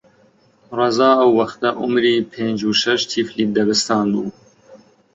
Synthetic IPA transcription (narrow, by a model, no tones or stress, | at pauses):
reːzɑːɐwːɐxt̪ɐʔʊmɾiːpʰeːnd͡ʒuːʃɛʃt̪ʰiːfliːd̪ɐbɨst̪ʰɑːnbuː